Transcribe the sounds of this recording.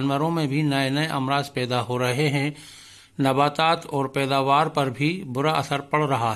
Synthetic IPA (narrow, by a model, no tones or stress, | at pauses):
nʋəɾõmẽbʱinɐenɐeʔɐ̰mɾaːzpɛːd̪aɦoɾɐɦeɦɛ̃ | nɐbaːt̪aːt̪ɔːɾpɛːd̪aːʋaːɾpɐɾbʱibʊɾaʔɐsəɾpɐɽɾɐɦaɦɛ